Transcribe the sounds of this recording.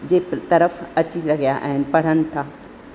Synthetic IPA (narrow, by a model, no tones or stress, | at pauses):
d͡ʑeːt̪ɐɾəfɐt͡ɕiɾɐɡijaʔə̰ɦɪnɪ̆pɐɽ̤ənɪ̆t̪ʰaː